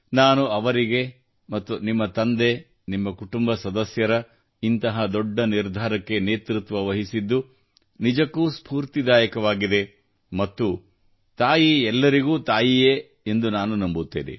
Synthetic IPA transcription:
naːnuɐʋɐɾiɡe̞ | mɐt̪ːunimːɐt̪ɐnd̪e̞ | nimːɐkuʈumbɐsɐd̪ɐsjɐɾɐ | int̪ɐɦɐd̪ɔɖːɐniɾd̪ʱaːɾɐkːe̞ne̞ːt̪ɾut̪ʋɐʋɐɦisid̪ːu | nid͡ʒɐkːuːspʰuːɾt̪id̪aːjɐkɐʋaːɡid̪e̞ | mɐt̪ːu | t̪aːjiɛlːɐɾiɡuːt̪aːjijeː | end̪unaːnunɐmbut̪ːḛːnḛ

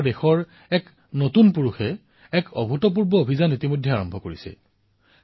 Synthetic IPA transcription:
dexɔɹ | ɛk | notunpuɹuxɛ | ɛkɔbʱutɔp̬uɹbɔobʱizanitimojdʱːɛaɹɔmbʱɔko̰ɹisɛ̰

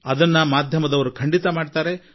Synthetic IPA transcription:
ɐd̪ɐnːɐmaːd̪ʱjɐmɐd̪ɐʋɐɾukʰɐɳɖit̪ɐmaːɖt̪aːɾe̞

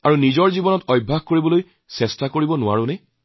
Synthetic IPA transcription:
aɹunizɔɹzibɔnɔtɔjbʱːaɡkoɹibɔloj | sɛstakoɹibɔnʊwa̰ɹũnɛ

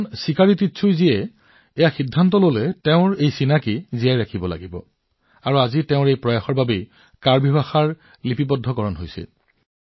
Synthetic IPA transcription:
nsikaɹititːsʰujziɛ | ɛjaxidʱːantɔlolɛteʊ̃ɹejsinakizijajɹakʰibɔla̰ɡibɔ̰ | aɹuazitɛʊ̃ɹejpɹɔjaxɔɹbabe | kaɹbʱibaxaɹ | lipipɔdʱɔkɔɹɔnɦojsḭ

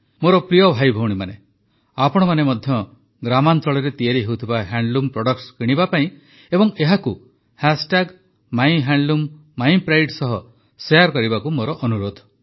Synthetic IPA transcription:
moɾɔpɾijɔbʱajbʱɔwɽ̃imane | apɔɽ̃ɔmanemɔd̪ʱjɔ | ɡɾamant̪ɔɭɔɾet̪iaɾiɦewt̪ʰibaɦaɳɖlumpɾɔɽɔkskiɽ̃ibapaĩ | ebɔŋeɦaku | hasʈaɡ | maj̃ɦaɳɖlumː | aimpɾajʈsɔɦɔ | seaɾkɔɾibakumoɾɔʔɔnuɾod̪ʱ

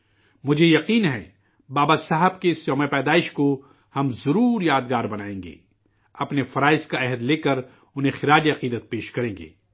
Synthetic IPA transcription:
mʊd͡ʒʱejɐqiːnɦɛ̰ | baːbasaɦəbkeɪsjɔːmepɛːd̪aːɪʃko | hɐmzɐɾuːɾjaːd̪ɡaːɾbɐnaːẽːŋɡḛː | ɐpnefɐɾaːɪskaɛɦəd̪leːkɐɾ | ʊnɦẽxɪɾaːd͡ʒiɐqiːd̪ət̪̚peːʃkɐɾẽːŋɡḛː

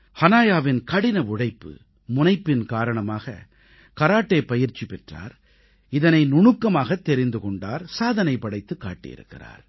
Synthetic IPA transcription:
hɐnaːjaːʋɪnkɐɽɪnɐʊɽɐɪpːɯ̰ | mʊnɐɪpːɪnkaːɾɐɳɐmaːɣɐ̰ | kɐɾaːʈːeːpɐjɪɾt͡ʃːipɛʈra̰ːɾ | ɪðɐnɐɪnʊɳʊkːɐmaːɣɐt̪ːɛɾɪnd̪ɯkɔɳɖa̰ːɾsaːðɐnɐɪpːɐɽɐɪt̪ːɯkːa̰ːʈːɪ̰jɪ̰ɾɯ̰kːɪ̰ra̰ːɾ

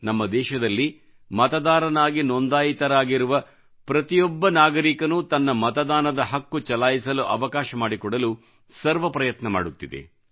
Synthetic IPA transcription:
nɐmːɐd̪ɛːʃɐd̪ɐlːi | mɐt̪ɐd̪aːɾɐnaːɡinɔnd̪aːjit̪ɐɾaːɡiɾuʋɐ | pɾɐt̪ijɔbːɐnaːɡɐɾikɐnut̪ɐnːɐmɐt̪ɐd̪aːnɐd̪ɐɦɐkːut͡ʃɐlaːjisɐluʔɐʋɐkaːʃɐmaːɽikɔɽɐlu | sɐɾʋɐpɾɐjɐt̪nɐma̰ːɽut̪ːid̪ḛ

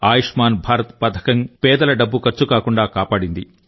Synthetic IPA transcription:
aːjiʂmaːnbʱaːɾɐt̪pɐd̪ʰʱɐ̥kɐŋpɛːd̪ɐlɐɖɐbːukɐɾt͡ʃukaːkuɳɖaːkaːpaːɽind̪i

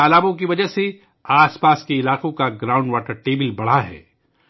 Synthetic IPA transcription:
aːlaːbõk̬iʋɐd͡ʒəɦse | aːspaːskeɪlaːqõkaɡɾãːʊ̃ɳɖʋaːʈəɾʈeːbɪlbɐɽ̤aɦɛ̰ː

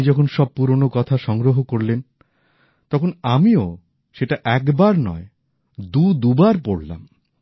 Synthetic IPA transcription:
d͡ʑɔkʰonʃɔb̚puɾonokɔt̪ʰaʃɔŋɡɾoɦokoɾlen | t̪ɔkʰonamio | ʃeʈaʔɛkbaɾnɔ̰e | d̪ud̪ubaɾpoɽla̰m

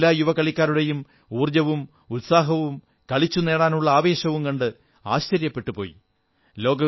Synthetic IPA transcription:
laːjuʋɐkɐɭikʲːaːɾuɽe̞jum | uːrd͡ʑɐʋum | ut̪saːɦɐʋum | kɐɭit͡ɕːune̞ːɽaːnuɭːɐaːʋe̞ːɕɐʋumkɐɳɖɨ | aːɕt͡ɕɐɾjɐpːe̞ʈːupo̞ːjḭ | lo̞ːɡɐ

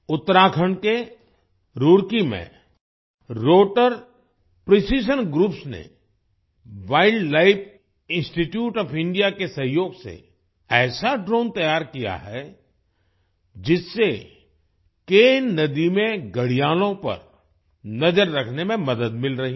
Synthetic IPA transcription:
ʊt̪ːəɾaːkʰəɳ̃ke | ɾuːɽkimḛ̃ | ɾoːʈəɾ | pɾisiːʃ̬ənɡɾuːpsnḛ | ʋaːɪɖːaːɪpʰ | ɪ̃nsʈiʈjuːʈɔːpɪ̃ɳɖijakesɐ̃ɦjoːɡsḛ | ɛːsaɖɾoːnt̪ɐjaːɾkija̰ɦɛ | d͡ʒɪsːe | keːnnɐd̪imẽɡɐɽijaːlõpɐ̰ɾ | nɐd͡ʒəɾːɐkʰnemẽmɐd̪əd̪̚mɪlɾɐɦi

